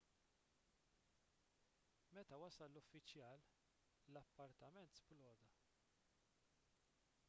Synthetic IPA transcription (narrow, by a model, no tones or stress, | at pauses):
mɛt̪ɐwɐsɐlːʊfːɪt͡ʃjɐːl | lɐpːɐɾt̪ɐmɛnt̪splɔːd̪ɐ